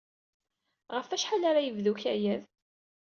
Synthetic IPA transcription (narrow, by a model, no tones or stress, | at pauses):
ʁəfæʃħalaɾajəvðuçæjæð